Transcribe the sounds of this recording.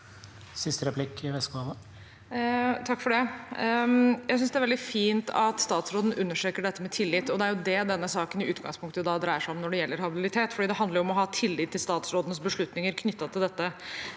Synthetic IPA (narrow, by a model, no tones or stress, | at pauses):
sɪst̪əɾɛpʰlɪkːɪʋɛskɑʋə | t̪ʰɑkːfɔɖɛ | jæɪsʏnsd̪ɛæɾɛld̪ɪfiːnt̪ɑt̪st̪ɑːt̪sɾoːd̪n̩ʉnːəʂøːkəɖɛt̪ːəmɛt̪ʰɪlːɪt̪ːɔd̪ɛæɾjʊd̪ɛd̪ɛnːəsɑːkənɪʉːt̪ɡɑ̰ŋspʰʊŋkt̪əjd̪ɑd̪ɾæɪəʂæɪɔmnɔɖɛjɛlːəɾhɑbɪlɪt̪ʰeːt̪fɔɖiːd̪ɛɦɑnd̪ləɾjʊɔmɔɦɑːt̪ʰɪlːɪt̪ʰːɪlst̪ɑːt̪sɾoːd̪ənəsbəʂɭʉt̪nɪŋəɾkʰnʏt̪ːɑt̪ʰɪld̪ɛt̪ːə